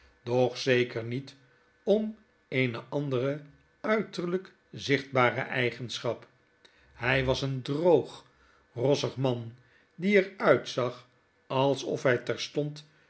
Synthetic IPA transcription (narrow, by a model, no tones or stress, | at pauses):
d̥ɔχsejkəɹnit | ɔm | ejnəʔɑndərə | œɥtəɹlək | zɪχd̚baːɾə̰ʔɛjχənsχɑp | hɛjʋɑsəndrowχ | rɔsəχmɑn | diɛɹœɥtsɑχ | ɑlˠsɔ̰fɦɛjtɛɹstɔnt